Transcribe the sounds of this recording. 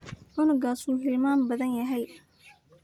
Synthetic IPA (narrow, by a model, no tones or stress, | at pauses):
ʔʊnɪɡaːsuːɦɪlmaːmbɐðɐnjɐɦɛj